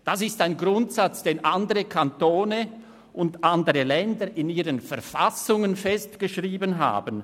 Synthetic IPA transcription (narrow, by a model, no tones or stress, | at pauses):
d̥asɪstaɪnɡʁʊntsat͡sd̥eːnʔandəʁəkʰantoːnə | ʔʊndʔandəʁəlɛndəɾɪniːʁənfɛɐfasʊŋənfɛstɡ̥əʃʁiːbənɦa̰ːbən